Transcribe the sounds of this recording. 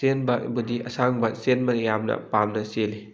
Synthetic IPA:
enbɐbudiɐsaŋbɐsenmɐjamnɐ̰pamnɐseli

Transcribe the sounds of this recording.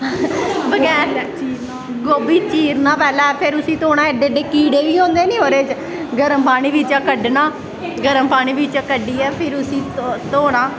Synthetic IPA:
bəɡɛːɾ | ɡoːbiːt͡ʃiːɾnaːpɛːlɛːpʰɪɾʊsĩːt̪oːɽãːɛɖeːɖeːkiːɽeːʋiːõːnd̪eːnĩːɦoːɾeːt͡ʃ | ɡəɾəmpaːɽ̃iːbiːt͡ʃãːkəɖnaː | ɡəɾəmpaːɽ̃iːbiːt͡ʃaːkəɖiːɛːpʰɪɾʊsĩːt̪oːɽ̃aː

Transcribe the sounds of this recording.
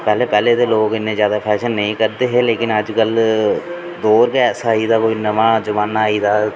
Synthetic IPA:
pɛːleːpɛːleːt̪eːloːkɪnːẽːzjaːd̪aːpʰɛːʃənːəĩkəɾd̪eːɦeːleːkɪnəd͡ʒkəl | d̪oːɾkeɛːsaːɦid̪aːkoːinəʋãːd͡ʒʊʋaːnːaːiːt̪aː

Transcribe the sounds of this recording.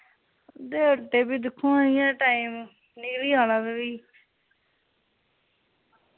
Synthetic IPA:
d̪eːəʈeːbiːd̪ɪkʰːõːaːnɪjãːʈaːiːm | nɪkliːaːlãːt̪eʋiː

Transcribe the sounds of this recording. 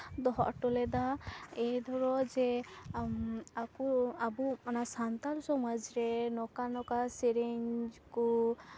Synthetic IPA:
d̪ɔɦɔ̰ʔʈɔlɛd̪aɛd̪ʱɔɾɔd͡ʒɛ | akɔabumanasant̪alsɔmɔd͡ʒɾɛnɔkanɔkasɛɾeɲd͡ʒkɔ

